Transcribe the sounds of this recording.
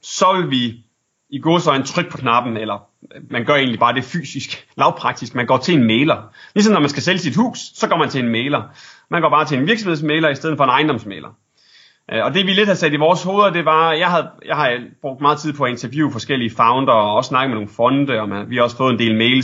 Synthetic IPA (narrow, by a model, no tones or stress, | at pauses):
sɒ̽ʋelʋi | iɡ̥oːsɒɪent͡sʰʁœɡ̥̚pʰɒ̽kʰnɑ̈b̥n̩elɐ | mænɡ̥ɶɐe̝ːnlib̥ɑ̈ːd̥e̝fy̰ːsisɡ̥lɑ̈ʊpʰʁɑ̈ɡ̥̚d̥isɡ̥mænɡ̥ɒ̰ːt͡sʰe̝enmeɪlɐlis̬ɒmnːɒmænsɡ̥æseləsid̥hṵːsːɒ̽ɡ̥ɒ̰ːmænt͡sʰe̝enmeːlɐmænɡ̥ɒ̰ːb̥ɑ̈ːt͡sʰe̝lenʋiɐ̥smhe̝smeɪlɐisd̥eð̰ˠn̩fɒ̽enɑ̈ɪndɒ̽msmḛːlɐ | ʔɒ̽d̥e̝ʋile̝d̥hæsɛdiʋɒːsho̝ːðˠɐd̥e̝ʋɑ̈jɑ̈ɪɦæð̞̩ˠjɑ̈ɪɦɑ̈b̥ʁɔɡ̥̚d̥mɑ̈ːð̩ˠt͡sʰið̰ˠpʰɒ̽æe̝nt͡sʰɐʋjṵːfɒ̽sɡ̥el̰iəfɑ̈ʊnd̥ɐɒɒ̽ssnɑ̈ɡ̥əmeno̝ːn̩fɒ̽nd̥əɒmʋihɑ̈ɒ̽sə̥fɔ̽ːð̞̩ˠend̥e̝ːlmeɪl